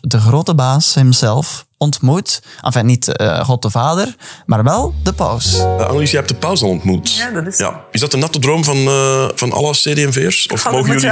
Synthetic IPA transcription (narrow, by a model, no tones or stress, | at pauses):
dəɣroːtəbaːshəmzɛlˠf | ɔntmutʔɑ̰nfɛ̃nitə̰χɔt̚dəvaːdərmaːrʋɛlˠdəpœ̰wsəʔa̰nalizjɛɛp̚tdəpœwsɑlɔntmutja̰ɪzdɑtənɑtədroːmvɑnvɑnɑ̰ləseːdeːɛmveːɹsɔ̰fmoːɣjli